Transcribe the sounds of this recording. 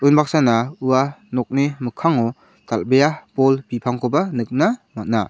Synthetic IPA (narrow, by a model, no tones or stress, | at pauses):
ɯjnbak̚sanauwanɔk̚nimɯkʰaŋɔ | talbejapɔlpipʰaŋkʰɔbanɯk̚namat̚na̰